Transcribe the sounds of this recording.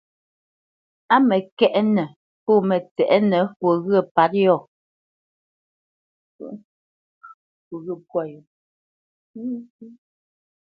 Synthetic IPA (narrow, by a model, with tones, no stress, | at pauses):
a˦mɛ˨kɛ˦ʔɛ˦nɛ˨ | pɔ˦˨mɛ˨tɛ̰˨ʔɛ˦nɛ˨fo˨ɣə˦˨pa˨˦t̚jɔ˦˨ | fo˨ɣə˦˨pwɔ˦˨jɔ˨˦